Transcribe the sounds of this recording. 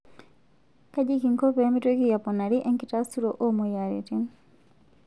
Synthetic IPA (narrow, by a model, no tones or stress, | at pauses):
kaɟikiŋkɔpɛmitwekijapɔnaɾiʔɛŋkitastuɾoʔɔmɔjaɾḭtin